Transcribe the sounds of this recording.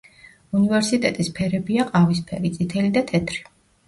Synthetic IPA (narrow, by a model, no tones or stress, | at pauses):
univɛɾsit̪ʼɛt̪ʼispʰɛɾɛbiaqʼavis̬pʰɛɾit̪sʼit̪ʰɛlid̪at̪ʰɛt̪ʰɾi̥